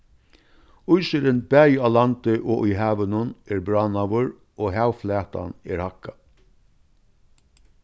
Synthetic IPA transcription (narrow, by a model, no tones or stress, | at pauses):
ʊjʃɪɾɪnbæːjalant̪ɪʔoʔʊjɦaːʋənʊnɛːɹbɹanaʋʊɹ | oːɦaːwflæːt̪a̰nɛɾhakːa